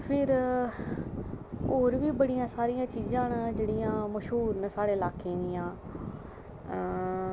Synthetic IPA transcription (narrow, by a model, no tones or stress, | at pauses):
pʰɪɾ | oːɾʋiːbəɽijãːsaːɾijãːt͡ʃiːzãːnd͡ʒeːɽijãːməʃɦuːɾnəsaːɽeːlaːkẽːnɪjãː